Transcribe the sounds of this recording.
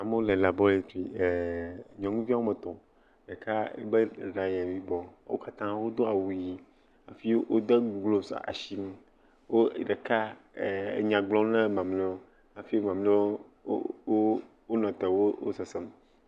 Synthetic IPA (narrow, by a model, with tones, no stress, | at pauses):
a˨me˦wo˦le˨la˨bɔ˦le˨ti˨ɲɔ̃˨ŋũ˦vi˦a˦wo˦mɛ˨t̪ɔ̃˨ | ɖe˨ka˦ḛ˦be˦˨ɖã˨ɲɛ̃˨vi˦bɔ˦wo̰˦ka˦t̪ã˦wo˦d̪o˦a˨wu˨ji˦ | a˨fi˦wo˦d̪e˦ɡɡlo˦sa̰˨a̰˨ʃi˦m˦ | wo˦˨ɖe˨ka˦˨ | e˨ɲã˨ɡ͡blɔ̃˦nɛ̃˦mã˨mle˦wo˦ | a˨fi˦o˦mã˨mli˦o̰˦ | o˦ | o˦nɔ̃˨t̪ɛ˨wo˦o̰˦sɛ˨sɛ˦m